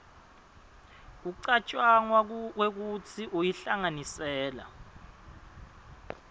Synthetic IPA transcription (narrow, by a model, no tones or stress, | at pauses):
k̬uǀat͡ʃʼwaŋwak̬wek̬ut͡sʰiʔojiɬaŋanisɛːla̰